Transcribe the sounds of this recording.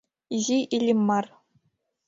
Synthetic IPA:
ʑiʔilʲimːɑr

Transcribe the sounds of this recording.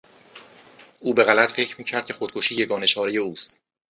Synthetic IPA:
ʔuːbe̞ɣælæt̪fe̞cʰɾmiːcʰæɾd̪̚cʰe̞xod̪̚kʰoʃiːjeɡɒːne̞ʃʰɒːɾeje̞uːst̪

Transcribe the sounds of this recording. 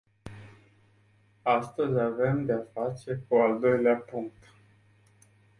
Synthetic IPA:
ast̪əzʲave̞md̪eafat͡ʃe̞kuald̪o̞jleapuŋk̚t̪

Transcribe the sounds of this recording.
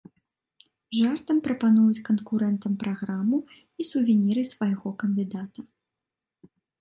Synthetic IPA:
ʐart̪ɐmpɾɐpanujut͡sʲkɐnkuɾɛnt̪ɐmpɾaɣɾamɨ | isuvʲinʲiɾɨsvajɣɔkɐnd̪ɨd̪at̪ɐ

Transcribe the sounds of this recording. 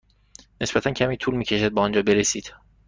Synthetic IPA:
ne̞sbæt̪ʰæncʲʰæmiːt̪ʰuːlmiːcʰe̞ʃæd̪̚bɒːnd͡ʒɒːbe̞ɾesiːd̪̥

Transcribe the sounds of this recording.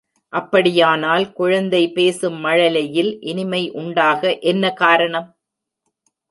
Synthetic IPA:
ʔɐpːɐɽɪjaːnaːlkʊɻɐnd̪ɐɪpeːsɯmːɐɻɐlɐjɪlʔɪnɪmɐɪʔʊɳɖaːɣɐʔɛnːɐkaːɾɐɳɐm

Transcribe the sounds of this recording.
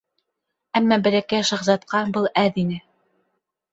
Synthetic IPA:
æmːæbɘ̆lækæʃɑ̆ʁzɑt̪̚qɑbɤlˠæðinɘ

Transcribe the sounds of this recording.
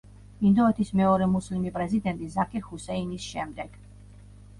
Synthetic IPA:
ind̪ɔɛt̪ʰismɛɔɾɛmuslimipʼɾɛzid̪ɛnt̪ʼizakʰʼiɾhusɛinisʃɛmd̪ɛɡ̥

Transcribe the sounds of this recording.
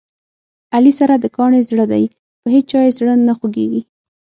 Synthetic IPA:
alisaɾad̪əkɑɳezɽəd̪a̰j | pəɦed͡ʒ̚t͡ʃɑjezɽənaxwoɡḛɡi

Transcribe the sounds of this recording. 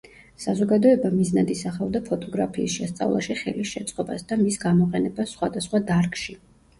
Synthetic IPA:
sazɔɡad̪ɔɛbamiznad̪isaχavd̪apʰɔt̪ʼɔɡɾapʰiːsʃɛst̪sʼa̰vlˠa̰ʃiχɛ̰lisʃɛt̪sʼqʼɔbasd̪amisɡamɔqʼɛnɛbasːχwad̪asχwad̪aɾkʼʃi

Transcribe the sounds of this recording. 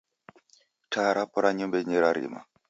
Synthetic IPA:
tʰaɾapɔɾaɲumbɛɲiɾaɾḭma̰

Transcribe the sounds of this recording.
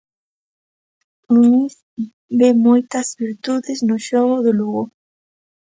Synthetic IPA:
uniθ | bemojt̪ɐzβiɾt̪uðeznʊʃɔɣʊðoluɣo

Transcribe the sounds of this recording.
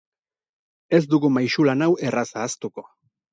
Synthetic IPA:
e̞zd̪uɣumajʃulanawe̞rasaːst̪uko̞

